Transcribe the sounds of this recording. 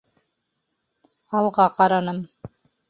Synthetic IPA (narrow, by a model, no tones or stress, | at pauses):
ɑlˠʁɑqɑɾɑnɤm